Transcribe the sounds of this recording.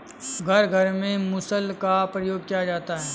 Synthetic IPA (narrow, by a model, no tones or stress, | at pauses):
ɡʱɐɾɡʱɐɾmẽmʊsəlkapɾəjoːɡ̚kijad͡ʒaːt̪aɦɛː